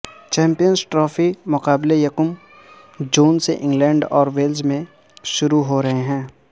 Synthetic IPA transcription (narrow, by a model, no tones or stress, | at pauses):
t͡ʃɛ̃ːmpijənzʈɾɔːfʰimʊqaːblejɐkʊm | d͡ʒuːnseʔɪ̃ŋɡlɛ̃ːɳɖɔːɾʋeːld͡ʒmẽ | ʃʊɾuɦoɾɐɦeɦɛ̃ː